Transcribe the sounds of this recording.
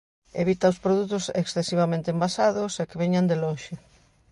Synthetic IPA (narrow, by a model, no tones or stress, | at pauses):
ḛβ̞it̪aospɾoðut̪ʊsḛksθesiβamẽnt̪embasaðosekeβeɲand̪eloʃe